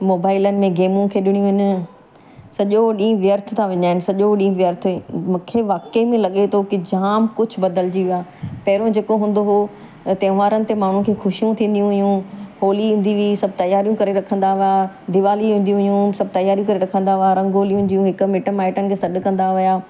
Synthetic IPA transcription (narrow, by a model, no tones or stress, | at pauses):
moːbaːɪlənɪ̆mẽɡeːmũkʰeːɗɪɽ̃ijũɦɪn | sɐʄoɗĩːʋjəɾt̪ʰt̪ʰaʋɐ̃ɲaːɦɪnɪ̆sɐʄoɗĩːʋjəɾt̪ʰĩmũːkʰeʋaːkemẽlɐɠet̪ʰokɪd͡ʑaːmkʊd͡ʑʱʊ̆bɐd̪əld͡ʑiʋaːpɐɦɪɾod͡ʑeːkoɦũːn̆d̪oɦo | t̪ẽːʋaːɾənɪ̆t̪emaːɳ̤ũkʰeːxʊʃijũt̪ʰĩːn̆d̪ijũɦʊjũɦoːliɦĩːnd̪iʋiisɐb̚ʱt̪ɐjaːɾijũkɐɾeɾɐkʰə̃nd̪aʋɪja | d̪ɪʋaːliũːnd̪iũɦijũsɐb̚ʱt̪ɐjaːɾijũkɐɾeɾɐkʰə̃nd̪aʋɪjaɾɐ̃ŋɡoːlijɦũːnd̪ijũɦɪkʊ̆mɪʈəmaːɪʈənɪ̆kʰeːsɐɗʊ̆kɐ̃nd̪aʋɪjaː